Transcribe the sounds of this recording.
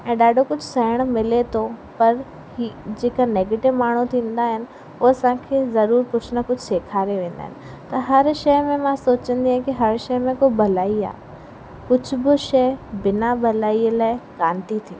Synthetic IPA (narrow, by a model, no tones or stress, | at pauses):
ɛ̃ːɗaːɖʱokʊd͡ʑʱsɐɪɽ̃mɪlet̪ʰopɐɾ | id͡ʑeːkaneːɡeːʈɪʋmaːɳ̤ut̪ʰĩːn̆d̪aɦɪnɪ̆ | ʊːɐsãːkʰeːzɐɾuːɾpʊt͡ɕʰnəkʊd͡ʑʱseːkʰaːɾeʋẽːn̆d̪a̰ːɦɪnɪ̆ | t̪ɐɦɐɾʃɐjmẽmãsoːt͡ɕə̃nd̪iãkiɦɐɾʃɐːmẽkobɐlaːia̰ː | kʊd͡ʑʱʊbɪʃɐːɪbɪnabʱɐlaːiəlaːɪkaːnt̪it̪ʰio